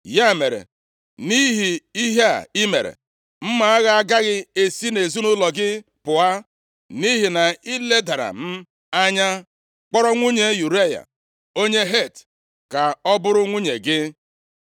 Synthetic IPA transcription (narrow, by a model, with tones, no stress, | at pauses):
ja˦˨me˨ɾḛ˨ | ni˦ɦi˨i˦ɦa˦˨i˦mḛ˨ɾḛ˨ | m̩˦ma˨a˦ɣa˦ɡa˦ɣɪ˦e˦si˦ne˨zu˦nʊ˦lɔ˨ɡɪ˦ | pʊ˨a˦ | ni˦ɦi˨na˨i˦le˦da˨ɾa̰˨m̩˦ | a˦ɲa˦ | k͡pɔ˦ɾɔ˦ŋʷu˦ɲe˨˦ju˨ɾe˦˨ja̰˨ | o˦ɲe˦ɦe˦˨t | ka˨ɔ˦bʊ˦ɾʊ˦ŋʷu˦ɲe˨ɡɪ˦